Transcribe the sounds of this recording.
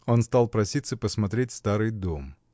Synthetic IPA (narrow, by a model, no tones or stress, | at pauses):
o̞nst̪alˠpɾɐsʲit̪səpəsmɐt̪ɾʲetʲst̪aɾɨjd̪om